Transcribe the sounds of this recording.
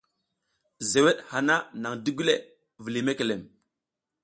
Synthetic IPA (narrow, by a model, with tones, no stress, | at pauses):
ze˨we˦ɗha˨na˦na˨ŋdi˦ɡu˦le˨ | vi˨li˨me˦ke˨le˨m